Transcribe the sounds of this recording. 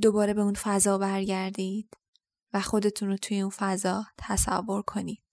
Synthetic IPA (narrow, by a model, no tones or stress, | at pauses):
d̪o̞bɒːɾe̞be̞unfæzɒːbæɾɟæɾd̪id̪̥ | væxo̞d̪e̞t̪ʰuːnɾot̪ʰuje̞unfæzɒːt̪ʰæsæ̰vːo̞ɾkʰo̞niːd̪̥